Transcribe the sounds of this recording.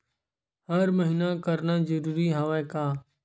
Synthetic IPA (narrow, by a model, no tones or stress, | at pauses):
ɦəɾməɦiːnakəɾnaːzəɾuːɾiːɦaːʋẽːkaː